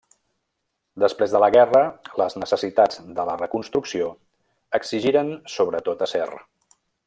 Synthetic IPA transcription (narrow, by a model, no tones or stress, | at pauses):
d̪əspɾezðələɣɛrələznəsəsit̪ad͡zd̪ələrəkunst̪ɾuksio | əkziʒiɾənsoβɾət̪ot̪əsɛ̰r